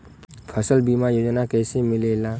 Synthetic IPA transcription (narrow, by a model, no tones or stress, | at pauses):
pʰəsəlbimajod͡ʒnakɛjsẽmilela